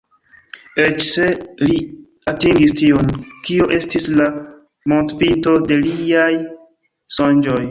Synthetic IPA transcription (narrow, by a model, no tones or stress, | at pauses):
et͡ʃse̞li | atiŋɡistionkioʔe̞stisla | mo̞ntpinto̞de̞liaj | sond͡ʒo̞j